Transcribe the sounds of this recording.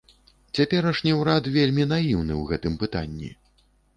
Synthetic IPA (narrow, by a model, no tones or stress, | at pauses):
t͡sʲapʲɛɾɐʂnʲiwɾat̪vʲelʲmʲinajiwnɨ̰wɣɛt̪ɨmpɨt̪anʲːḭ